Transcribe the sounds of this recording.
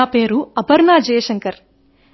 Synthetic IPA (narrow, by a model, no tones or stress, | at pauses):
aːpeːɾuɐbɐɾnaːd͡ʒeːʃɐŋkɐɾ